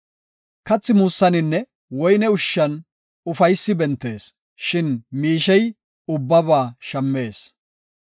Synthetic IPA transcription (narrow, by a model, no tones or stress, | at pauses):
kɐt͡sːɪmuːsːɐnɪnːɛ | wɔjnɛʊʃːɐn | ʊfɐjsːɪbɛnt̪ːe̞ːs | ʃɪnmiːʃɛj | ʊbːɐbaːʃɐmːe̞ːs